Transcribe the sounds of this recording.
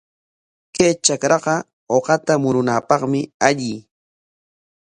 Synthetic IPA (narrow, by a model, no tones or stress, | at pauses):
kajt͡ʃakɾɑɢɑ | oqɑt̪amʊɾʊnaːpɑχmɪaʎɪː